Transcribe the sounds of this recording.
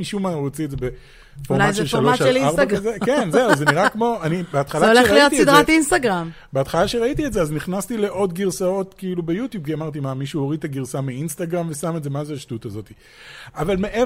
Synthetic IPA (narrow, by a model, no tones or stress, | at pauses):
iʃumaʁot͡siedzebe | foʁaelʃaloaʃeiaʁazekenzeazzeniʁakmo̞anibeat̪χalaaolʃelijot̪isid̪ʁatinst̪aɡʁam | beatχalaʃeʁait̪iedzeazniχnastile̞ʔo̞dɡiʁsao̞tkiilubejutjub̚kiamaʁt̪̬imamiʃuoʁit̪aɡiʁsamiinstaɡʁamve̞sametze̞mazeaʃtutazo̞ti | avalmeʔe